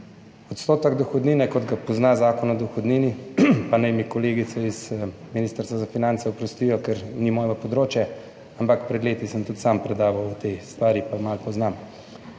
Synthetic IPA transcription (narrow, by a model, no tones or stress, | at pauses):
ɔt̪st̪oːt̪əɡd̪ɔxɔd̪niːnɛkɔd̪ɡapɔznazaːkɔnɔd̪ɔxɔd̪niːnipanɛjmikɔleːɡit̪sɛizminiːst̪əɾst̪ʋazafinantsɛupɾɔst̪iːjɔkɛɾnimɔːjʋapɔd̪ɾoːt͡ʃjɛ | ampakpɾɛd̪leːt̪isəmt̪ut̪sampɾɛd̪aːʋɐwut̪est̪ʋaːɾipamalpɔznam